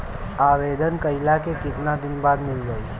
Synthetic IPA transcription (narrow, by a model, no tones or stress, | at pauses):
aːʋeːd̪ənkəɪlakekɪt̪nad̪ɪnbaːd̪mɪlɡəi